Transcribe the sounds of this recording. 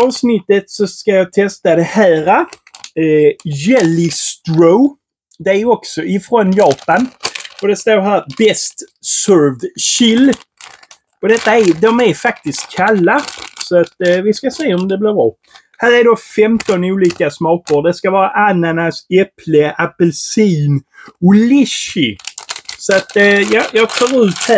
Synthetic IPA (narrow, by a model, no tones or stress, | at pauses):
ɑːvsnɪt̪ːət̪sɔskajɑːt̪ʰɛst̪ad̪ɛhæːɾa | jɛlɪst̪ɾoʊ | d̪ɛæɾɔksɔʔɪfɾɔnjɑːpanɔd̪ɛst̪oːɾɦæːɾbɛst̪ | sœɾvdɕɪlː | ɔd̪ɛt̪ːaæd̪ɔmæɾfak̚t̪ɪst̪kʰalːasɔat̪vɪskasɛːaɔmd̪ɛblɪbɾɑː | hæːɾæɖofɛmt̪ɔnuːliːkasmɑːkəɾd̪ɛskavɑːɾaʔanːanasɛpʰləʔapɛlsiːnʊlɪʃɪ | sat̪jɑːjɑːɡfœːɾʉ̟ːt̪hæ